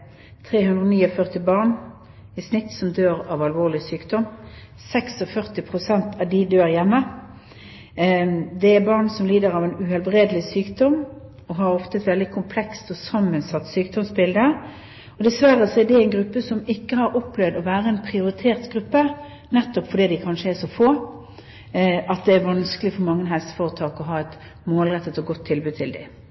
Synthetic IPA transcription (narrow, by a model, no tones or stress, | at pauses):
t̪ʰʁeːhʉnd̪ʁoːniːɔfœʁt̪ɪbɑːʁɳ | ɪsnɪt̪ːsɔmd̪øːʁɑːʋɑlʋoːʁlɪsyːkd̪ɔm | sɛksɔfœʁt̪ɪpʰʁʊsɛnt̪ʰɑd̪ɪd̪øːʁjɛmːə | d̪ɛæbɑʁnsɔmliːd̪əɾɑʋɛnʉhɛlbʁeːd̪əlɪsyːkd̪ɔm | ɔɦɑɾɔft̪əɛt̪ʋɛld̪ɪkʰʊmpʰlɛkst̪ɔsɑmːənsɑt̪ːsyːk̚d̪ɔmsbɪld̪ə | ɔd̪ɛsʋæɾːəsɔɛd̪ɛæɪnɡɾʉpːəsɔmɪkːəhɑɾɔpːlɛʋd̪ɔʋæːɾəɛnpʰɾɪʊɾɪt̪ʰeːɾt̪ɡɾʉpːə | nɛt̪ːɔpfɔɖiːd̪ɪkʰɑnʂəɛʂɔfoː | ʔɑt̪̚d̪ɛːɾʋɑnskəlɪfɔɾmɑŋːənɦɛlsə̥foːʁət̪ʰɑːkɔɦɑːɛt̪ | moːlʁɛt̪ːət̪ɔɡɔt̪ʰːɪlbʉːdt̪ʰɪld̪ɪ̰